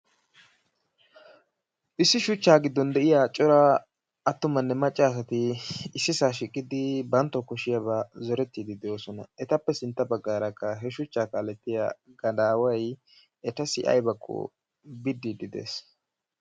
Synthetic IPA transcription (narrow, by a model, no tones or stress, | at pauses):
ʔɪsːɪʃʊt͡ʃːaːɡɪd̪ːɔnd̪ɛʔɪjaːt͡ʃʼɔɾa | ɐt̪ːʊmɐnːɛmɐt͡ʃʼːaːs̬ɐt̪ɪːsːɪsaːʃɪkʼːɪd̪ɪbɐnt̪ːɔkɔʃɪjɐβazɔɾɛt̪ːiːd̪ɪd̪ɛjoːsɔnɐ̰ɛt̪ɐpːɛsɪnt̪ːɐbɐɡːaːɾɐkːɐɦɛʃʊt͡ʃːaːkɐːlɛt̪ːɪja̰ɡɐd̪aːwɐj | ɛt̪ɐsɪ̰ʔɐ̰jbɐkʰːɔ̰ | bɪd̪ːid̪ɪd̪ḛːs